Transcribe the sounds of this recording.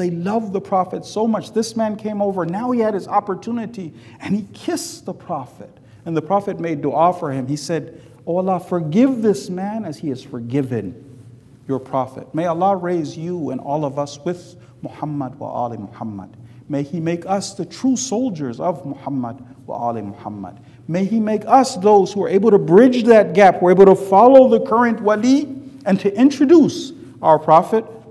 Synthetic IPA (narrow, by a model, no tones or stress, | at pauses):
ðeɪlʌvðəpʰɹ̥ɑfɨtsoʊmʌt͡ʃðɪsmæ̃nkʰẽɪ̃moʊvə˞naʊiɨɾ̚ɨzɑpə˞tʰunɨɾi | ɨ̃nikʰɪsðəpʰɹ̥ɑfɨɾ | ɨ̃nðəpʰɹ̥ɑfɨt̚meɪdoɑfə˞ɨ̃misɛd | oʊəlˠɑfə˞ɡɪvðɪsmæ̃nɨz̥iɨz̥fə˞ɡɪvɨ̃n | jə˞pʰɹ̥ɑfɨ̰t̚meɪəlɑɹeɪzjuɨ̰̃nɔlˠʌvʌswɨð̥ | mɔħʌmːəd̚wə̰ɑ̰lˠimɔħʌmːə̰d̥̚meɪimeɪkʌsðɨtʰɹ̥usoʊlˠd͡ʒə˞zʌvmɔħʌmə̰d̚ | wə̰ɑ̰lˠimɔħʌmːə̰d̥̚ | meɪimeɪkʰʌsðoʊz̥huə˞ʔeɪbl̩ˠtɨbɹɪd͡ʒðɨt̚ɡ̥æpwə˞eɪbl̩ˠtʰəfɑlˠoʊðɨkʰɜ˞ɨ̃nʔwæliɨ̃ntʰɨʔɪ̃nt͡ʃɹ̥ɨdus | aʊə˞pʰɹ̥ɑfɨt̚